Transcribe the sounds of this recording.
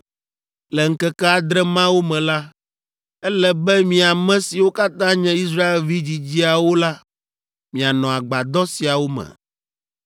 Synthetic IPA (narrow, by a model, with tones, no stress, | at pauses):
lɛ˨ŋ̩˦kɛ˦kɛ˦a˨d̪ɾɛ˦mã˦wo˦mɛ̃˨la˦ | ɛ˦lɛ˦bɛ˦mĩ˨a˨mɛ̃˦si˨wo˦ka˦t̪ã˦ɲɛ̃˦i˦s̬ɾa˦e˨lvi˦d͡ʑi˨d͡ʑi˦a˨wo˦la˦ | mĩ˨a˨nɔ̃˨a˨ɡ͡ba˨d̪ɔ˦si˨a˨wo˦mɛ̰̃˨